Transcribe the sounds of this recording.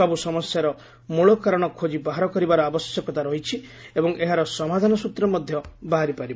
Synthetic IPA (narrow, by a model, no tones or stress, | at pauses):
abusɔmɔsjaɾɔ | muɭɔkaɾɔɽ̃ɔkʰod͡ʒibaɦaɾɔkɔɾibaɾɔabɔsjɔkɔt̪aɾɔɦit͡ʃʰiebɔŋeɦaɾɔsɔmad̪ʱanɔsut̪ɾɔmɔd̪ʱjɔbaɦaɾipaɾib